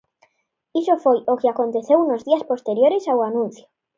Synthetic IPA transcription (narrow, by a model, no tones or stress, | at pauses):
isofojokeakont̪eθewnozðiaspost̪eɾjoɾesawanũn̟θjo